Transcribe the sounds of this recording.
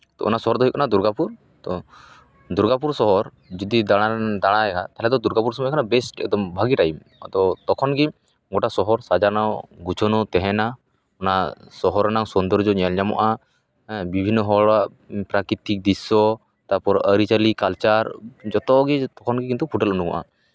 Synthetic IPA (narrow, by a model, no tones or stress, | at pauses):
t̪ɔ̰ʔɔ̰nasɔɦɔɾd̪ʱɔɦijkɔnad̪uɾɡapuɾ | t̪ɔ | d̪uɾɡapuɾsɔɦɔɾ | d͡ʒɔd̪id̪aɽ̃ad̪aɽ̃aɛkʰat̪aɦlɛd̪ɔd̪uɾɡapuɾsɔmɔjkʰanabɛsʈɛ̰d̪ɔmbʱaɡiʈajim | t̪ɔt̪ɔkʰɔnɡi | ɡoʈasɔɦɔɾsad͡ʒanɔɡut͡ʃʰɔnɔt̪ɛɦɛna | ɔnasɔɦɔɾnaŋsɔnd̪ɔɾd͡ʒɔɲalɲamɔ̰ʔa | bibʱinːɔɦɔɭaʔ | pɾakɾit̪ik̚d̪isɔ | t̪aɾpɔɾəɾit͡ʃəlikalt͡ʃaɾd͡ʒɔt̪ɔɡit̪ɔkʰɔnɡik̬int̪upʰuʈɛlunuɡɔ̰ʔa̰